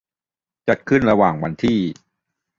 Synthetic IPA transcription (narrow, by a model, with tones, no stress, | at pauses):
t͡ɕa˨˩t̪̚kʰɯ˥˩nɾa˧waː˨˩ŋwa˧nt̪ʰiː˥˩